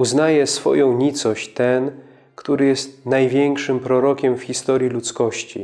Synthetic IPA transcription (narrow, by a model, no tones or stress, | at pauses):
uznajɛsfɔ̰jɔ̃w̃ɲit̪sɔɕt͡ɕt̪ɛn | kt̪uɾɘjɛst̪̚najvʲjɛŋkʂɘmpɾɔɾɔkʲɛmfxʲist̪ɔɾʲjilut̪skɔɕt͡ɕḭ